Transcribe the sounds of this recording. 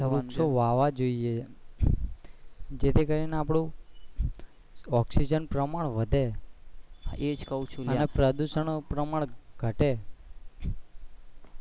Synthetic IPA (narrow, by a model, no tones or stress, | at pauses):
əʋusoʋaʋad͡ʒoie | d͡ʒet̪ʰikəɾineapɽ̃ũ | ɔksid͡ʒənpɾəmaɭʋəd̪ʱe | d͡ʒkəũt͡ʃʰuənepɾəd̪uʃəɳpɾəmaɭɡʱəʈe